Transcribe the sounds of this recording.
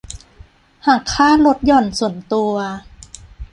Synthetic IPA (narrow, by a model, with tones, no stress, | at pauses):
haː˨˩kʰːaː˥˩lo˦˥t̪̚jɔ˨˩nsu˨˩˦ənt̪u˧ɐ